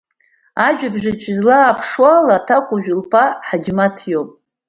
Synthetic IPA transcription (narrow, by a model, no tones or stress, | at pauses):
aʒᶣabʐat͡ʃʰʼɪzlaːpʰʂwalatʰakʷʼʊʒᶣʊlpʰaħad͡ʒmatʰjopʼ